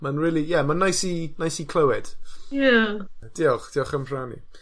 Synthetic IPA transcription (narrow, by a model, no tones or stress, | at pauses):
manɹɪːlˠijɛmanːajsinajsikʰl̥ˠəwɛd̥jad̥iːɔχd̥iːɔχəmr̥anḭ